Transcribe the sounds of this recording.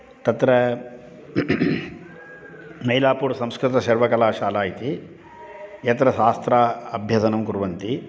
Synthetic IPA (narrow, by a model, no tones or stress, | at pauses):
t̪ɐt̪ɾɐ | mɐjlaːpuːɾsɐmskɾɪt̪ɐʃɐɾʋɐkɐlaːʃaːlaːjit̪i | jɐt̪ɾɐʃaːst̪ɾaːɐbʱjɐsɐnɐmkuɾʋɐnt̪i